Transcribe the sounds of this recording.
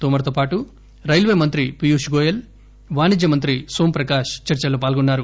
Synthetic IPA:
t̪oːmɐɾɐt̪oːpaːʈu | ɾɐjlʋeːmɐnt̪ɾipijuːʃɡoːjɐl | ʋaːnid͡ʒjɐmɐnt̪ɾisoːmpɾɐkaːʂt͡ʃɐɾt͡ʃɐloːpaːlɡonːaːɾu

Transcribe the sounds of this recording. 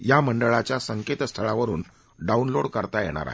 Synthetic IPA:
jaməɳɖəɭat͡ɕjasəŋket̪st̪ʰəɭaʋəɾuːn | ɖaunloɽkəɾt̪ajeɽ̃a̰ɾa̰ɦe

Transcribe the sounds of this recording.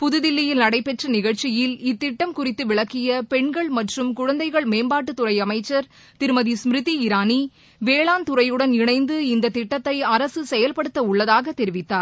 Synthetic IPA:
pʊðɯðɪlːɪjɪlnɐɽɐɪpːɛʈrɐnɪɣɐɭt͡ʃɪjɪlɪt̪ːɪʈːɐmkʊrɪt̪ːɯʋɪɭɐkːɪjɐpɛɳɡɐɭmɐʈrɯmkʊɻɐnd̪ɐɪɣɐɭmeːmbaːʈːɯt̪ːʊrɐɪɐmɐɪt͡ʃːɐɾ | t̪ɪɾɯmɐðismɾɯðiɪɾaːni | ʋeːɭaːnt̪ʊrɐjɯɽɐnɪɳɐɪnd̪ɯɪnd̪ɐt̪ːɪʈːɐt̪ːɐɪɐɾɐsɯsɛjɐlpɐɽɯt̪ːɐʊɭːɐðaːɣɐt̪ːɛɾɪʋɪt̪ːaːɾ

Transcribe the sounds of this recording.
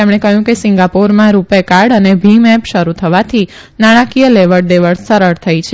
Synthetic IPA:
emɳ̃ekəɦjũkesɪŋɡapoɾmãɾupekaɾɖənebʱimɛpʃəɾut̪ʰəʋat̪ʰi | naɽ̃ãkijəleʋəɽd̪eʋəɭsəɾəɾt̪ʰəjt͡ʃʰe

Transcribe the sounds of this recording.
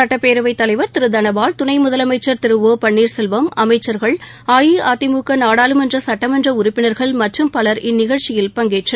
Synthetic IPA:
sɐʈːɐpːeːɾɯʋɐɪt̪ːɐlɐɪʋɐɾt̪ɪɾɯd̪ɐnɐʋaːlt̪ʊnɐɪmʊðɐlɐmɐɪt͡ʃːɐɾt̪ɪɾɯʋoːpɐɳːiːɾsɛlʋɐmɐmɐɪt͡ʃːɐɾɣɐɭaːjiaːt̪ɪmuːkːɐnaːɽaːlɯmɛndrɐsɐʈːɐmɛndrɐʊɾʊpːɪnɐɾɣɐɭmɐʈrɯmpɐlɐɾʔɪnːɪɣɐɭt͡ʃɪjɪlpɐŋɡeːʈrɐ

